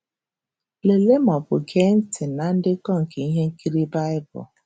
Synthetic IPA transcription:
le˨le˦mɔ˨bʊ˨ɡe˦n̩˦tɪ˨na˨n̩˦dɪ˦kɔ˦ŋ̩˨ke˨i˦ɦe˦ŋ̩˦ki˦ɾi˦ba˦ɪ˦bʊ̰˨

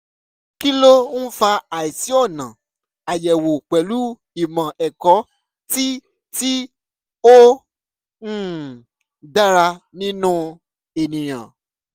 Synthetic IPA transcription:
ki˦lo˦n̩˦fa˧a˨i˨si˨˦ɔ˦˨nã˨ | a˨jɛ˨wo˨k͡pɛ˨lu˦ | i˨mã˨ʔɛ˨kɔ˨˦ | ti˦ | ti˦ | o˦˨ | da˦ɾa˧nĩ˦nũ˦ | e˨nĩ˨j̃ã̰˨

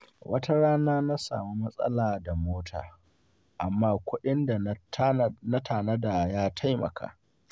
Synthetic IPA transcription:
wʔɐ˦tɐ˦ɽaː˦naː˦na˦sa̰ː˨mi˦mɐ˦sʼɐ̰˦laː˨da˨moː˦tʰa̰ː˨ | ʔa˨mːaː˦kʷʊ˦ɗɪ˦nda˨˦na˦tʰaː˨nɐ˦da˨jaː˦tʰa˦jmɐ̰˨kʰa̰ː˨

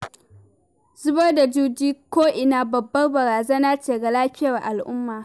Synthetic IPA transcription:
zʊ˦bɐ˦rda˨d͡ʒuː˦d͡ʒiː˦kʷoː˦ʔɪ˨naː˦bɐ˨bːɐ˦rbɐ˨ɾaː˨zaː˦naː˦t͡ʃeː˨ɡɐ˨laː˦ɸʲɪ˦jɐ˨rʔa˨lʔʊ˦mːaː˨

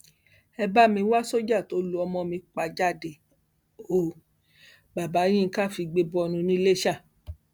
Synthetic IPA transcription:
ɛ˧ba˦mĩ˧˦wa˦so˦d͡ʒa˦˨to˨˦lu˧˦ɔ˧mɔ̃˧mĩ˧k͡pa˧˨d͡ʒa˦˨de˨ | o˨ | ba˨ba˨˦j̃ĩ˦˧ka˦˨fi˧ɡ͡be˧bɔ˧nũ˧nĩ˦le˦ʃa˦˨

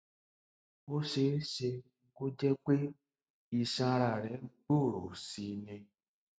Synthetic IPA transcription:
o˦ʃe˦ʃe˧˦ | ko˦d͡ʒɛ˦k͡pe˦ | i˨ʃã˧ɾa˨ɾɛ˨˦ɡ͡bo˦˨ɾo˨si˨nɛ̃˧

